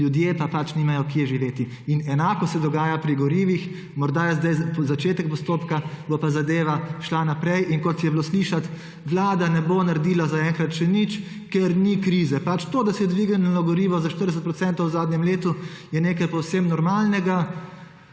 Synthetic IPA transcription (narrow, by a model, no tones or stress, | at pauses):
ljud̪jeːpapat͡ʃniːmajɔkiɛʒiʋeːt̪i | inɛnaːkɔsɛd̪ɔɡaːjapɾiɡɔɾiːʋix | mɔɾd̪ajɛzd̪ajzat͡ʃeːt̪ɛk̚pɔst̪oːpkabopazad̪eːʋaʃlanapɾɛjʔiŋkɔt̪jɛblosliʃat̪ | ʋlaːd̪anɛbonaɾd̪iːlazaɛŋkɾat̪ʃɛnit͡ʃ | kɛɾnikɾiːzɛpat͡ʃt̪od̪asɛjɛd̪ʋiɡnlɔɡɔɾiːʋɔzaʃt̪ərɾd̪ɛsət̪pɾɔtsɛnt̪ɔwzaːd̪nʲjɛmleːt̪ujɛneːkajpɔwsemnɔɾmaːlnɛɡa